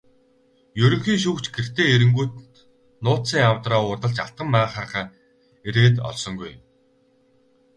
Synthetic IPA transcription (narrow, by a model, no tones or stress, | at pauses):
jɵɾɵ̆ŋxiːŋʃ̬uːkt͡ɕɡer̥t̪eːeɾɘ̆ŋɡuːt̪ | nʊːt̪siːŋawt̪raːʊːrt̪ə̆ɮt͡ɕa̰ɬt̪̚ɢə̆mːaːχaːrχaː | eɾeːt̪ɔ̰ɮsɞ̆ŋɡuj